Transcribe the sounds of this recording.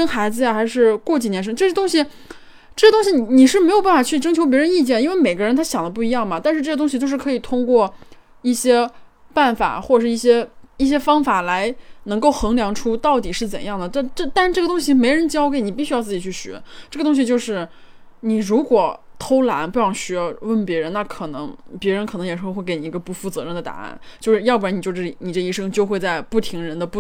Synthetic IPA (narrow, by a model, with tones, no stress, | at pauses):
ʂə˥nxa˧˥ɪd͡zɹ̩˧ja˩xa˧˥ɪʂɻ̩˥˧kwɔ˥˩t͡ɕi˨˩njɛ˧˥nʂ̬ə˥ŋʈ͡ʂɤ˥˩˥t̪ʊ˥ŋɕi˨ | ʈ͡ʂɤ˥˩ɡə˩t̪ʊ˥ŋɕi˧ni˧˩ni˨˩ʂɻ̩˥˩me˧˥ɪjʊp̬a˥˩n˩fa˨˩t͡ɕʰy˥˩ʈ͡ʂɤ˥ŋt͡ɕʰjo˧ʊp̬jɛ˧˥ɻə˧˥ni˥˧t͡ɕjɛ˥˩n˩i˥nwe˥˩ɪme˨˩ɪɡə˧˥ɻə˧˥nt̪ʰa˥ɕjɑ˨˩ŋd̪ə˦p̬u˥˩i˧˥jɑ˥˩ŋmɐ˩t̪a˥˧nʂɻ̩˥˧ʈ͡ʂɤ˥˩ɡə˩t̪ʊ˥ŋɕi˧o˥˧ʊʂɻ̩˥˩kʰɤ˧˥i˨˩t̪ʰʊ˥ŋkwɔ˥˧ | i˥˩ɕjɛ˥ | pa˥˩nfa̰˨˩˦xwɔ˥˩˨ʂɻ̩˥˧i˥˩ɕ̬jɛ˥i˥˩ɕ̬jɛ˥fɑ˥ŋfa˨˩la˧˥ɪnɤ˧˥ŋko˥˩ʊxɤ˧˥ŋljɑ˧˥ŋʈ͡ʂʰu˥t̪ɑ˥˩ʊt̪i˨˩ʂɻ̩˥˩t͡sə̰˨˩njɑ˥˩ŋd̪ə˩t̪a˥˧ʈ͡ʂt̪a˥˩nʈ͡ʂɤ˥˩ɡə˩t̪ʊ˥ŋɕi˨˩me˧˥ɪɻə˧˥nt͡ɕjɑ˥ʊk̬e˧˥ɪni˨˩pi˥ɕy˥ɑ˥˧ʊt͡sɹ̩˥˩t͡ɕi˨˩t͡ɕʰy˥˩ɕɥɛ̰˧˥ʈ͡ʂɤ˥˩ɡə˩t̪ʊ˥ŋɕi˧t͡ɕjo˥˧ʊʂɻ̩˥˩ | ni˨˩ɻu˧˥kwɔ˨˩ | t̪ʰo˥ʊla̰˧˥npu˥˩jɑ˥˩ŋɕɛ˧˥wə˥˩npjɛ˧˥ɻə˧˥nna˥˩kʰɤ˨˩nɤ˧˥ŋpjɛ˧˥ɻə˧˥nkʰnɤ˧˥jɛ˨˩ʂɻ̩˥˧˥xe˥˩ke˥ɪni˩˧˥ɡə˧pu˥˩fu˥˩t͡sɤ˧˥ɻə˥˩nd̪ə˩t̪a̰˨˩˦nt͡ɕjo˥˧ʊʂɻ̩˥˧jɑ˥˧p̬ni˨˩t͡ɕo˥˧ʈ͡ʂɤ˥˩˨ni˨˩ʈ͡ʂɤ˥˩˧i˥˩ʂɤ˥ŋt͡ɕjo˥˧ʊxwe˥˧ɪt͡sa˥˧ɪpu˥˩t̪ʰi˧˥ŋɻə˧˥nd̪ə˧pu˥˩